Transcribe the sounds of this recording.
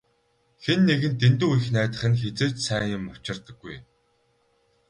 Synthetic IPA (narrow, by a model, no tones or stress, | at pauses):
xenːeɣɘ̆nt̪ent̪uːujxnæːt̪ə̆χɘ̆nxet͡seːt͡ɕsæːŋʊ̆mɔ̥t͡ɕɪ̆rt̪ə̆ɡːuj